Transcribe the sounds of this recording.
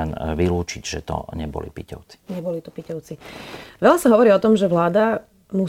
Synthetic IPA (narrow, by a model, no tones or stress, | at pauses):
ɛnʋiluːt͡ʃiɟʒɛt̪ɔ̰ɲɛbɔ̰lḭpicɔʊt͡si̥ɲɛbɔlit̪ɔ̥picɔʊt͡siʋɛʎasaɦɔʋɔɾiːɔt̪ɔmʒɛʋlaːd̪a | mu